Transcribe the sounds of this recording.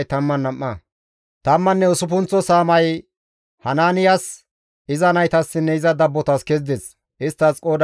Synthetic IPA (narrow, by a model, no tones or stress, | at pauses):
jt̪ɐmːɐnːɐmːɐ | t̪ɐmːɐnːɛʊsʊp̬ʊnt͡sːɔsaːmɐj | hɐnaːnɪjɐs | ɪzɐnɐjt̪ɐsːɪnːɛɪzɐd̪ɐbːɔt̪ɐskɛzd̪ɛs | ʔɪst̪ːɐskʼoːd̪